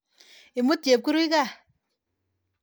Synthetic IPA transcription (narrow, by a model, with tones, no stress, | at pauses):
i˨mu˦tje˨p̚ku˦ɾu˦i˦ka˦˨